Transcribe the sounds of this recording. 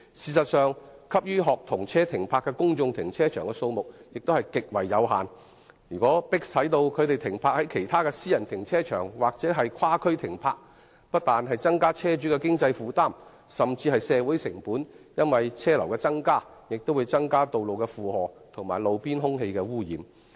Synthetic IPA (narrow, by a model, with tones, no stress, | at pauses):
siː˧˩sɐ˨t̚sœː˨ŋkʰɐ˥p̚jyː˥ɦɔː˨k̚t̪ʰʊ˨˩ŋt͡sʰɛː˥t̪ʰɪ˨˩ŋpʰaː˧kːɛː˧kʊ˥ŋt͡sʊ˧ŋt̪ʰɪ˨˩ŋt͡sʰɛː˥t͡ʃʰœː˨˩ŋkɛ˧so˧wmʊ˨k̚jɪ˨k̚t̪o˥hɐ˨jkɪ˨k̚wɐ˨˩jːɐ˨˧wɦa̰ː˨n | jyː˨˩kʷɔː˨˥pɪ˥k̚sɐ˨˥jt̪o˧wkʰɵ˨˧ɥt̪e˨jt̪ʰɪ˨˩ŋpʰaː˧k̚hɐ˨˥jkʰe˨˩jt̪ʰaː˥kɛː˧siː˥jɐ˨˩nt̪ʰɪ˨˩ŋt͡sʰɛː˥t͡ʃʰœ̰ː˨˩ŋwaː˨k̚t͡sɛː˨˥ɦɐ˨jkʰaː˥kʰɵ˥ɥt̪ʰɪ˨˩ŋpʰaː˧k̚ | pɐ˥t̚t̪aː˨nɦɐ˨jt͡sɐ˥ŋkaː˥t͡sʰɛː˥t͡ʃyː˨˥kɛː˧kɪ˥ŋt͡sɐ˧jfuː˨˧t̪aː˥˩m | sɐ˨˩mt͡siː˧hɐ˨jsɛː˨˧wuː˨˥jsɪ˨˩ŋpuː˨˥njɐ˥nwɐ˨jt͡sʰɛː˥lɐ˨˩wkɛː˧t͡sɐ˥ŋkaː˥ | jɪ˨k̚t̪o˥wuː˨˧jt͡sɐ˥ŋkaː˥t̪o˨wlo˨wkɛ˧fuː˨hɔː˨t̪ʰʊ˨˩ŋmaː˨˩jlo˨˧wpiː˥nɦʊ˥ŋɦe˧jkɛː˧wuː˥jiː˨˧m